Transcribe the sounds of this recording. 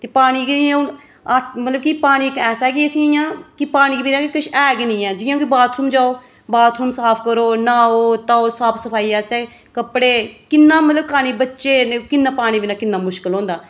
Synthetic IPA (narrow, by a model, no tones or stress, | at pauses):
t̪eːpaːɽ̃iːkiːõ | mət̪ləbkipaːɽ̃iːkɛːsɛːkiəsĩːjãːkɪpaːɽ̃iːkbinãːkikɪʃɛːɡnĩːɛːd͡ʒɪːjãːkɪbaːt̪ʰɾuːmd͡ʒaːoː | baːt̪ʰɾuːmsaːpʰkəɾoːnaːoːt̪aːoːsaːpʰsəpʰaːiːɛːseː | kəpɽeːkɪnːãːmət̪ləb̚kaːñiːbətːʃeːnekɪnːãːpaːɽ̃iːbiːnaːkɪnːaːmʊʃkɪlɦõːnd̪aː